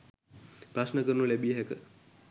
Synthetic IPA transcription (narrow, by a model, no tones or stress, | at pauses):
pɾasnəkəɾnulebijeɦekə